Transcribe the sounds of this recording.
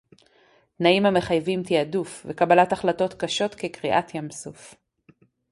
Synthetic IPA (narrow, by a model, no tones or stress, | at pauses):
tnaimhame̞χajvimt̪iadufvekabalataχlato̞t̪kaʃo̞t̪kekʁiʔat̪ʰjamsuf